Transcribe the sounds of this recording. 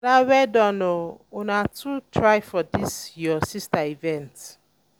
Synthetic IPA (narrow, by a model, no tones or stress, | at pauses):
ɾawɛdɔnoʊnatʰutʰɾaɪfɔdisjɔsistaivɛ̃nt